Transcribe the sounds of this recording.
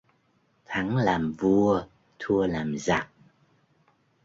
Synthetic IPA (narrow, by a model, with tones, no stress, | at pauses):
t̪ʰa˨˦ŋlaː˨˩mvu˧ə | t̪ʰu˧əlaː˨˩mza˨˩k̚